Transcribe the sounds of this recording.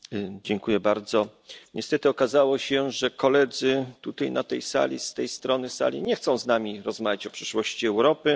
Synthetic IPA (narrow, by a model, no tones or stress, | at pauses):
d͡ʑɛŋkujɛbaɾd̪zɔɲʔɛst̪ɛt̪ɘɔkazawɔɕɛʐɛkɔlɛd̪zɘt̪ut̪ajnat̪ɛjsa̰lʲḭst̪ɛjst̪ɾɔnɘsa̰lʲḭɲɛxt̪sɔ̃w̃znamʲiɾɔzmavʲjat͡ɕɔpʂɘʂwɔɕt͡ɕiɛwɾɔpɘ